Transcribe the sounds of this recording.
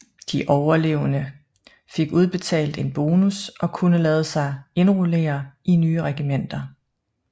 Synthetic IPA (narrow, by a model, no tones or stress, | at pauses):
d̥iʔɒʊɐle̝ʊnə | fe̝ɡ̥uð̞ˠb̥e̝t͡sʰɛ̰ːld̥e̝nb̥o̝ːnusʔɒ̽kʰunəlɛːð̞ˠəsɑ̈ɪe̝nʁule̝̰ːɐʔinyːəʁɛɡ̥imen̰d̥ɐ